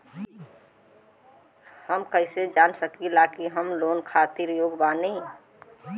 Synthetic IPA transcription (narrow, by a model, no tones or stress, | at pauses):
həmkəɪsed͡ʒansəkilakiɦəmloːnkʰat̪iɾjoːɡbane